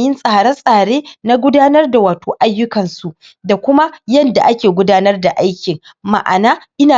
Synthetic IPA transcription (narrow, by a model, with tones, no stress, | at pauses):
jɪ˦nsʼaː˨ɽɐ˦nsʼaː˨ɽeː˦na˦ɡʷʊ˦daː˦nɐ˦rda˨waː˨toː˨ʔa˦jːʊ˦kɐ˨nsu˨ʔ | da˨kʷʊ˦ma˦jɐ˦nda̰˨ʔa˦kʲeː˨ɡʷʊ˦daː˦nɐ˦rda˨ʔa˦jkʲɪ˨ŋ | ma̰˨ʔa̰˨naː˦ʔɪ˦naː˨